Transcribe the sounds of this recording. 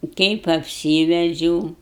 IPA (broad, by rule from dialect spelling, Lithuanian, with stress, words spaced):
kɐɪp ɐpʲˈsʲiːʋʲɛd͡ʒʲɛʊ